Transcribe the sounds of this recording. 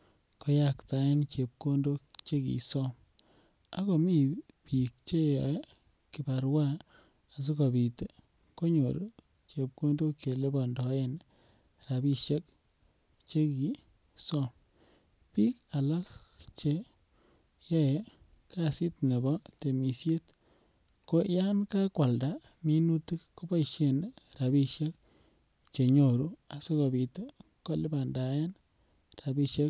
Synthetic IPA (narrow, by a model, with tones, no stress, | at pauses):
kɔ˦jakta˨˦e˦nt͡ʃe˨p̚ko˦ndo˦kt͡ʃe˦kḭ˨sɔ˦m | a˦kɔ˨mi˦ | pi˨k̚t͡ʃe˦j | ki˨ba˨ɾwa˦ | a˨s̬i˦kɔ˨bi˨te˨ | ko˦ɲo˨ɾ | t͡ʃe˨p̚ko˦ndo˦kje˨le˦bɔ˨ndɔ˨je˦n | ɾa˨bi˦ʃe˦k̚ | t͡ʃe˦ki˨ | sɔ˦m | pi˦ka˨la˦kt͡ʃe˦ | je˦e˨˦ | ka˦si˦tne˨bɔ˦te˨mi˨sje˦t | ko˦ja˦nka˦kwa˨lda˨˦mi˦nu˦ti˦kːo˦ba˦iʃe˨nɾa˨bi˦ʃje˦k̚ | t͡ʃe˨ɲo˨ɾu˦a˨so˦ko˨bi˨to˦ | ko˦lɪ˦ba˨nda˨je˦n | ra˨bi˦ʃe˦k